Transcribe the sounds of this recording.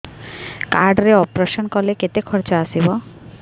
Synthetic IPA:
kaɾɖɾeɔpɾeʃɔnkɔleket̪ekʰɔɾt͡ʃɔasibɔ

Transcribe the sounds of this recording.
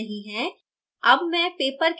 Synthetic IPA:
ɦĩɦɛ̃ː | ɐbmɛ̃peːpəɾk

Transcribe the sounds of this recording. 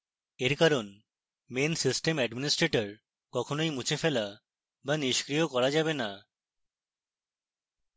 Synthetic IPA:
eɾkaɾon | mensisʈemɛɖminisʈɾeʈoɾ | kɔkʰonojmut͡ɕʰefela | baniʃkɾijokɔɾad͡ʑabena

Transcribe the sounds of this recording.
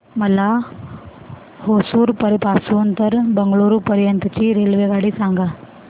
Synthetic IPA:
mɐla | hoːsuːɾpəɾɪpaːsuːənt̪əɾbɐŋɡɭoːɾupəɾjənt̪t͡ɕiːɾeːlʋeɡaːɽisãːŋɡaː

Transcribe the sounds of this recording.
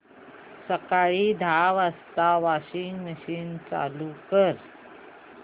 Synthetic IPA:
səkaɭiːd̪ʱaʋəst̪aʋaɕiŋɡməɕiːnt͡sa̰lukəɾ

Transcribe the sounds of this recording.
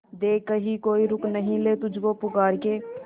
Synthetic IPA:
d̪eːkəɦikoːiɾʊknəɦĩleːt̪ʊd͡ʒkoːpʊkaːɾkeː

